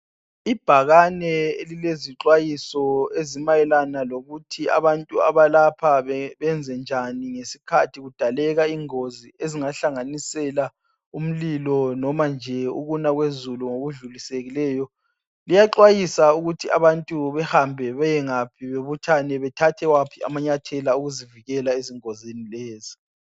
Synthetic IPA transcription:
ib̥ʱaɣanɛelileziǁwajisɔezimajɛlanaloɣutʰia̰βantʼua̰βalapʰaβɛβɛnd͡zʱɛnd͡ʒʱaniŋesi̥kʰatʰiɣud̥ʱalɛɣaiŋozieziŋaɬaŋanisɛla | um̩lilɔnɔmand͡ʒʱɛṵɣunaɣwezuluŋoɣuɮuliseɣilɛːjɔ | lijaǃwajisauɣutʰia̰βantʼuβɛhambʱɛβɛjɛŋapʰiβeβutʰanɛβɛtʰatʰɛwapʰia̰maɲatʰɛlauɣuziviɣɛlaeziŋozinilɛːzi

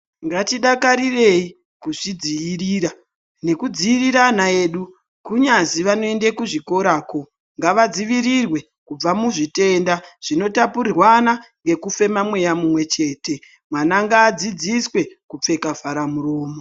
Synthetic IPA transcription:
ŋɡatiɗakaɾire̞i | kuʐ̥id͡ziiriːɾa | ne̞kud͡ziiriɾanae̞ːɗu | kuɲaziʋano̞e̞ndekuʐiko̞ɾaːko̞ | ŋɡaʋad͡ziʋiɾirwe̞ | kub͡vamuʐite̞ndaʐ̥ino̞tapurirwanaŋɡe̞kufe̞mamwe̞jamumwe̞t͡ʃe̞ːte̞ | mwanaŋɡaːd͡zid͡ziswe̞kup͡fe̞kavaɾamuro̞ːmo

